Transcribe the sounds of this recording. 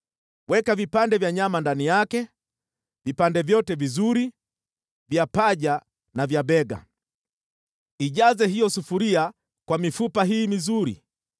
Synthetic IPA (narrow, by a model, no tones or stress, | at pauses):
wɛkavipandɛvjaɲamandanijakɛ | vipandɛvjɔtɛvizuɾi | vjapaʄa | navjaɓɛɡa̰ | iʄazɛɦijɔsufuɾia | kwamifupaɦiːmizuɾḭ